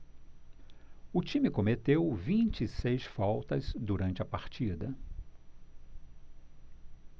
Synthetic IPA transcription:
ʊt͡ʃĩmɪkomet̪ewvĩnt͡ʃɪisejsfawt̪ɐzd̪uɾɐ̃nt͡ʃɪɐpaɾt͡ʃid̪ɐ

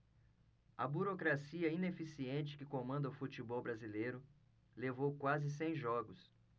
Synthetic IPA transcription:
ɐbuɾokɾasiɐĩnefisiẽnt͡ʃɪ̥kɪkõmɐ̃nd̪ɐʊfut͡ʃibɔwbɾazilejɾʊ | levowkwazɪs̬ẽj̃ʒɔɡʊs

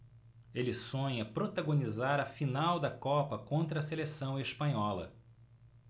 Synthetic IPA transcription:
elɪsõɲɐpɾot̪aɡonizaɾɐfinawd̪ɐkɔpɐkõnt̪ɾɐselesɐ̃w̃espɐ̃ɲɔlɐ̰

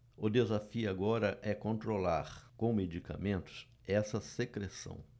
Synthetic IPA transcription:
ʊd̪ezafiʊaɡɔɾɐʔɛkõnt̪ɾolaɾkõw̃med͡ʒika̰mẽnt̪ʊ̥s | ɛsɐsekɾesɐ̰̃w̃

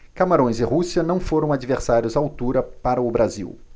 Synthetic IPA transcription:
kamaɾõj̃zɪɦusiɐnɐ̃w̃foɾɐ̃w̃ad͡ʒiveɾsaɾjʊzawt̪uɾɐpaɾɐʊbɾazḭw

